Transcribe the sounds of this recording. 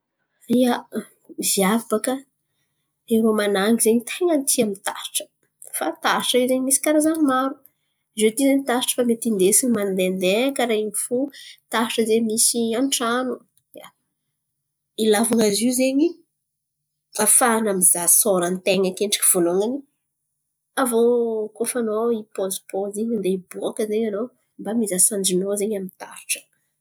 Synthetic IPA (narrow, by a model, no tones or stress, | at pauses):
ia | miviavabakə | eɾomanaŋizeɲit̪ʰeŋənt̪ʰiamint̪a̰̥ʈ͡ʂə̥ | fat̪aʈ͡ʂəizeɲimisi̥kaɾazaɲimaɾu | zet̪izeɲit̪aʈ͡ʂə̥famet̪ind̪esinmand̪eand̪ekaɾaimifut̪aʈ͡ʂəzemisiaɳʈ͡ʂanu | a | ilavaŋaziuzeɲi | afanamizasoɾant̪eŋakeɳɖ͡ʐi̥kʲi̥v̥onoŋani | avokofanoipozi̥pozeɲand̪eboakəzeɲano | mbamizasaɳd͡ʒinozeɲamint̪a̰ɾiʈ͡ʂə̥